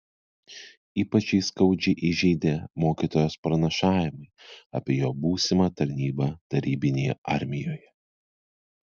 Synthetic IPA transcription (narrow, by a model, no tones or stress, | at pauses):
iːpɐt͡ʃʲɛɪskɐʊd͡ʒʲɛɪʔɪʒʲɛɪd̪ʲeːmoːkʲiːt̪oːjoːspɾɐnʲɐʃɑːʋʲɪmɐɪɐ̰pʲeːjoːbuːsʲɪmɐːt̪ɐɾʲnʲiːbɑːt̪ɐɾʲiːbʲɪnʲejɛʔɐɾʲmʲɪjoːjɛ